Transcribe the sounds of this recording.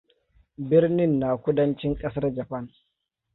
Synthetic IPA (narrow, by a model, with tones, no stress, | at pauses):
bɪ˦rnɪ˦nːaː˨kʷʊ˦dɐ˦nt͡ʃɪ˦ŋkʼɐ˦sɐ˦rd͡ʒɐ˨ɸɐ˦n